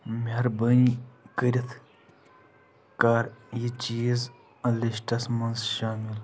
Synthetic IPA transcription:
mʲɐɾbəikəɾʲit̪ʰ | kaːɾjit͡ʃiːz | ɐliʃʈɐsmɐnzʃaːmil

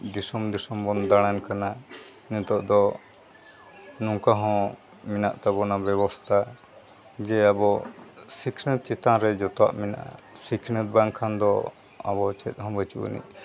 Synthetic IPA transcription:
d̪isɔmd̪isɔmbɔnd̪aɽ̃ankana | nɛt̪ɔʔd̪ɔ | nuŋkaɦɔ̃mina̰ʔt̪abɔnabɛβɔst̪ʰa | d͡ʒɛabɔsikʰnət̪̚t͡ʃit̪ãɾɛd͡ʒɔt̪ɔa̰ʔmina̰ʔa̰sikʰnət̪̚baŋkʰand̪ɔ | a̰βɔt͡ʃɛt̪̚ˀhɔ̃bɛt͡ʃṵʔṵnḭ

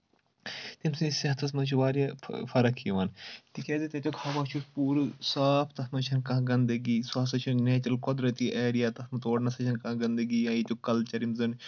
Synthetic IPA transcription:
t̪imsɨisɐɦɐt̪ʰɐs̬mɐt͡ʃʰuʋaːɾɐfʰɐɾɐkʰiʋaːnt̪ikʰʲeːzit̪ɐt̪ʲokhɐʋaːt͡ʃʰupuːɾɨsaːpʰt̪ɐt̪ʰmɐt͡ʃʰɐnkɐ̃ɦɡɐnd̪ɐɡiːsaːsɐt͡ʃʰuneːt͡ʃɐɾɐlkɔd̪ɾɐt̪iʔeːɾijaːt̪ɐt̪mɐt̪oːɖnɐsɐt͡ʃʰɐnkɐɡɐnd̪ɐɡiːjãːjit̪ʲukɐlt͡ʃɐɾimzɐn

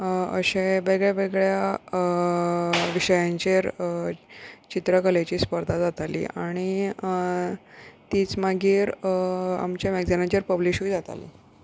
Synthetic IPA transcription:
ə̰ɕeʋeɡɭjaʋeɡɭja | ʋiɕəjaɲt͡ɕeɾ | t͡ɕit̪ɾəkəlat͡ɕiːspəɾd̪ʱad͡zat̪alḭːʔaɽ̃i | t̪iːt͡smaɡiːɾa̰mt͡ɕameɡd͡zinat͡ɕeɾpəbliɕud͡zat̪a̰lḭː

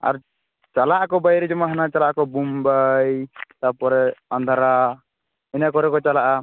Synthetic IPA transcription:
a̰ɾ | t͡ʃalaʔakɔbajɾɛd͡ʒɔmaɦanat͡ʃalaʔakɔbumbajt̪apɔɾɛand̪ʱaɾa | inakɔɾɛkɔt͡ʃalaʔa

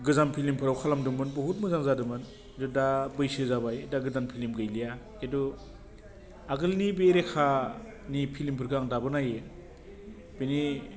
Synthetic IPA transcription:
ɡɯzampʰilimpʰɯɾawkʰalamdumɯnbɔɦut̚mɯzaŋzadɯmɯn | dudabɯjsɯzabajdaɡɯzanpʰilimɡɯjlija | kedu | aɡɯlnibeɾekʰa | nipʰilimpʰɯɾɡɯaŋdabɯnaje | b̥eni

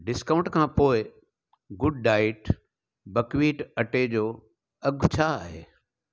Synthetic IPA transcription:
ɖɪskãːʊ̃ɳʈkʰãːpoːɪ | ɡʊɖ̚ɖaːɪʈ | bɐkʋiːʈɐʈed͡ʑoː | ɐɡʱʊt͡ɕʰaaːɦeː

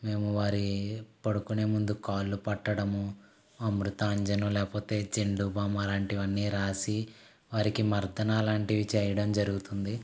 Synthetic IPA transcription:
me̞ːmuʋaːɾipɐɽukune̞ːmund̪ukaːlːupɐʈːɐɽɐmu | ɐmɾut̪ɐːɲd͡ʒɐnulɛːpoːt̪e̞ːt͡ʃeɳɖubaːmɐlaːɳʈiʋɐnːiːɾaːsi | ʋaːɾikimɐɾd̪ʱɐnaːlaːɳʈiʋit͡ʃɛːjɐɽɐmd͡ʒɐɾuɡut̪und̪i

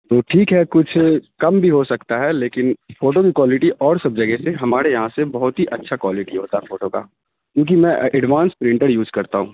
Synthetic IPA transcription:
t̪oːʈʰiːkɦɛkʊt͡ʃʰkɐmbʱiɦosɐkt̪aɦɛleːkɪnfoːʈokikwaːlɪʈiʔɔːɾsɐb̚d͡ʒɐɡɛseɦɐmaːɾejɐɦãsebɐɦʊt̪ɦiʔɐtːʃʰakwaːlɪʈiɦoːt̪aɦɛfoːʈoka̰ | kjũːk̬imɛ̃ːʔɛɖʋaːnspɾɪ̃ɳʈəɾjuːzkɐɾt̪aɦũː

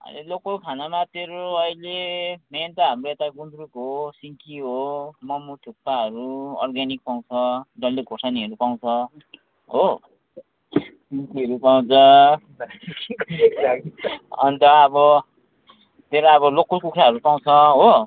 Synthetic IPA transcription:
ʌ̰lelokokʰanamat̪eɾoʌjlement̪aɦamroet̪aɡund̪ɾukɦosiŋkiɦomʌmuʈʰuk̚paɦʌɾuʌrɡanik̚paw̃t͡sʰʌdʌlːeɡʱoʈʰaniɦʌɾupaw̃t͡sʰʌ | ɦo | siŋkiɦʌɾupaw̃t͡sʰʌ | ʌ̰nt̪ʌːbʌ | t̪eɾaːβʌlokːokukʰɾaɦʌɾupaw̃t͡sʰʌɦo

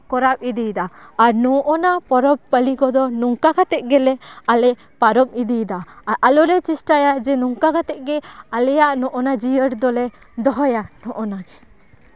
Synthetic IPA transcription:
kɔɾap̚id̪id̪aːɾnɔʔɔnapɔɾɔb̚pəlikɔd̪ɔnɔŋkakat̪ɛʔɡɛlɛalɛ | paɾɔbid̪id̪aaɾʔalɔɾɛt͡ʃisʈajad͡ʒɛnɔŋkakat̪ɛʔɡɛalɛjaʔnɔʔɔnad͡ʒijəɽd̪ɔlɛ | d̪ɔɦɔjanɔʔɔnaɡɛ̥

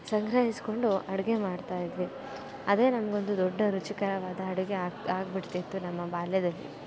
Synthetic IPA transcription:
sɐŋɡɾɐɦisi̥ko̞ɳɖuʔɐɽuɡe̞maːɖt̪aːjid̪ʋi | ɐd̪e̞ːnɐmɐɡo̞nd̪ud̪ɔɖːɐɾut͡ʃikɐɾɐʋaːd̪ɐɐɽuɡeaːɡ̚biɽt̪it̪ːunɐmːɐbaːljɐd̪ɐlːḭ

